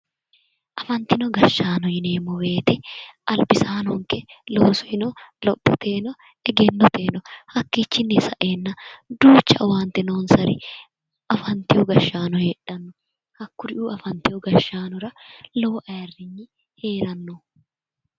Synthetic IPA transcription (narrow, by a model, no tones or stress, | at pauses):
ʔɐfɐnt̪ɪnɔɡɐʃːaːnɔjɪneːmːɔwe̞ːt̪ɛʔɐlbɪsaːnɔŋkɛlo̞ːsɔ̥hɪnɔlɔpːɔt̪ʰe̞ːnɔ | ɛɡɛnːɔt̪e̞ːnɔhɐkːiːt͡ʃːɪnːɛsɐʔe̞ːnːɐd̪uːt͡ʃːɐ̰ʔwaːnt̪ɪnoːnsɐɾɪ̰ | ɐfɐnt̪ɪjɔɡɐʃːaːnɔheːᶑɐnːɔ | kɐkːʊɾɪʔuːɐfɐnt̪ɪjɔɡɐʃːaːnɔɾɐlɔwʔɐjɐrːɪɲːɪ | he̞ːɾɐnːɔ